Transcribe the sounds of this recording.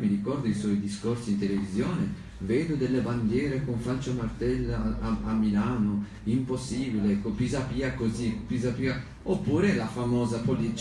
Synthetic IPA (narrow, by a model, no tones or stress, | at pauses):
miɾikɔrd̪oiswɔjd̪iskorsiint̪elevizjɔːne | vɛːd̪ʊd̪elːeband̪jɛːɾekoɱfalt͡ʃomart̪ɛlamːilaːno | imposːiːbileɛkːopizapiːakozipizapiːa | opːuːɾelafamɔːzapolit͡ʃ